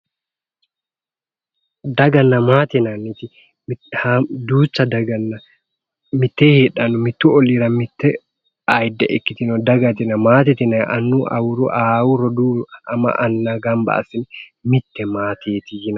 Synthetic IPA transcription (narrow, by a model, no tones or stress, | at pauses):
d̪ɐɡɐnːɐmaːt̪ɪnɐnːɪt̪ɪ | hd̪uːt͡ʃːɐd̪ɐɡɐnːɐ | mɪt̪ːeːheːᶑɐnʊmɪt̪ːuɔliːɾɐmɪt̪ːɛ | ʔɐjd̪ɛ̰ʔɛkːɪt̪ɪnɔd̪ɐɡɐt̪ɪnɐmaːt̪ɪt̪ɪnɐʔɐ̰nːuʔɐ̰wʊɾuʔaːwʊɾɔd̪uɐmɐ̰ʔɐnːaɡɐmbɐ̰ɐ̰sɪnɪmɪt̪ːɛmaːt̪ʰeːt̪ɪjɪn